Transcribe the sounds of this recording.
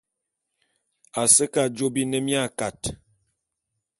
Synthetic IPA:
a˨sə˦ka˨d͡ʒo˦bi˦nə˦mja˦˨ka˨t

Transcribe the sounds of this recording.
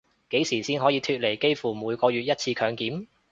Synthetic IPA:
ke˨˥jsiː˨˩siː˥nɦɔː˨˥jiː˨˧t̪ʰyː˧t̚le˨˩jke˥jfuː˨˩muː˨˧jkɔː˧jyː˨t̚jɐ˥t̚t͡sʰiː˧kʰœː˨˧ŋkiː˨˥m

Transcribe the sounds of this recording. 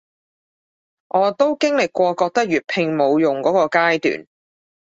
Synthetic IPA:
ʔɔː˨˧t̪o˥wkɪ˥ŋlɪ˨kːʷɔː˧kɔː˧k̚t̪ɐ˥k̚jyː˨˩t̚pʰɪ˧ŋmo˨˧wjʊ˨ŋkɔː˨˥kɔː˧kaː˥jt̪y̰ː˨n

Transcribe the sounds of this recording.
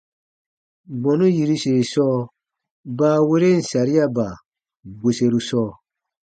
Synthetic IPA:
bɔ̃˨nũ˦ji˨ɾi˦se˨i˨sɔː˦ | baː˦we˦ɾe˦n̩˨sa˨ɾi˦a˦ba˨ | bo˨se˨ɾu˦sɔː˦˨

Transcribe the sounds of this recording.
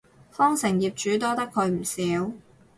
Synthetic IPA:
fɔː˥ŋsɪ˨˩ŋjiː˨p̚t͡ʃyː˨˥t̪ɔː˥t̪ɐ˥kʰɵ˨˧ɥm̩˨˩siː˨˥w

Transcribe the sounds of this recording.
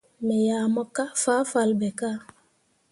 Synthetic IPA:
me˨jaː˨mo˦ka˦fa˦fa˨lbɛ˨ka˦

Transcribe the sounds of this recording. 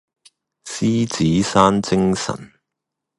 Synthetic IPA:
siː˥t͡siː˨˦saː˥nt͡sɪ˥ŋsɐ̰˨˩n

